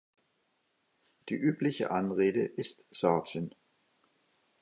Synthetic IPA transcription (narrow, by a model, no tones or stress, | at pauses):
d̥ḭːʔyːpʰlɪçə̰ʔanʁeːdəʔɪstsɔɐʃən